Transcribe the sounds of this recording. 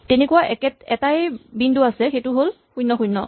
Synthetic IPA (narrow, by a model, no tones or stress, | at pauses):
tenekuwaʔɛkɛtɛtajbinduasɛxejtʊɦol | xujnːɔxujnːɔ